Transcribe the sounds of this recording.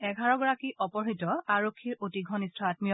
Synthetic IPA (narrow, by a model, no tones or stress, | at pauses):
ɛɡʱaɹɔɡɔɹakiʔɔpɔɹɦitɔaɹokʰːiɹotiɡʱɔnistʰɔatmijɔ